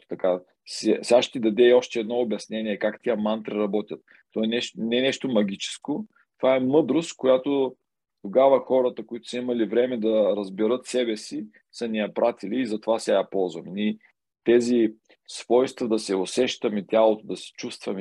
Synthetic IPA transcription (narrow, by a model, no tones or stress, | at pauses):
t̪ɐka | sɛsʲaʃt̪id̪ɐd̪ɛiɔʃt̪ɛɛːd̪nɔobʲjɐsnɛniɛkakt̪ʲiəmant̪ɾiɾɐbɔt̪ʲjɐt̪̚ːɔɛnɛnɛnɛʃt̪omɐɡ̟ʲit͡ʃɛ̥sko | t̪ovaɛmɤd̪ɾost̪kojat̪o | t̪oɡavəxɔɾət̪əkoit̪o̥səimɐlivɾɛmɛd̪ɐɾɐzbɛɾɤt̪sɛbɛsi | sənijɐpɾat̪iliːzɐt̪ovasɛjapɔlˠzvɐmni | t̪ɛzi | svɔjst̪vɐd̪ɐsɛosɛʃt̪əmit̪ʲjalˠot̪od̪ɐsɛ̥t͡ʃust̪vɐm